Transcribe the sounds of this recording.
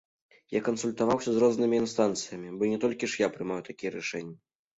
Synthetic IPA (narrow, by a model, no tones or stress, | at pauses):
ja̰kɐnsulʲt̪avawsʲɐzrɔznɨmʲiːnst̪ant̪sɨjɐmʲibɔnʲɛt̪ɔlʲkʲiʂjapɾɨmajwt̪akʲijɛɾaʂɛnʲːɐ